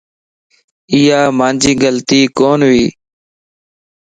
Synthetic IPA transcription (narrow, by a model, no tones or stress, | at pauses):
ɪːjaːmaːnd͡ʒiːɡəlt̪iːkoːnʋiː